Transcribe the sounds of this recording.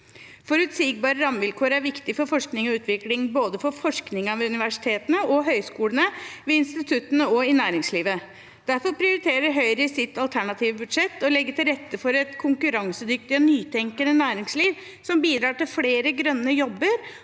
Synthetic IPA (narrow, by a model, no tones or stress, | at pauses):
fɔɾʉt̪siːɡ̚bɑːɾəɾɑmʋɪlkʰoːɾæɾʋɪkt̪ɪfɔɾfɔʂknɪŋɔʉːt̪ʰʋɪklɪŋboːd̪əfɔɾfɔʂknɪŋɑʋɛʉnɪʋæʂɪ̥t̪ʰeːt̪ənəʔɔɦœʏskuːlənəʋɛɪnst̪ɪt̪ʰʉt̪ːənəɔɪnæːɾɪŋsliːʋə | d̪̥æɾfɔɾpʰɾɪʊɾɪt̪ʰeːɾəɾɦœʏɾəɪsɪt̪ːɑlt̪ʰæɳɑt̪ʰiːʋəbʉd̪ʂɛt̪ːɔlɛɡːət̪ʰɪlɾɛt̪ːəfɔɾɛt̪kʰʊŋkʉɾɑŋsəd̪ʏkt̪ɪɔnyːt̪ʰɛŋkənənæːɾɪŋsliːʋ | sɔmbiːd̪ɾɑːʈɪlfleːɾəɡɾœnːəjɔbːəɾ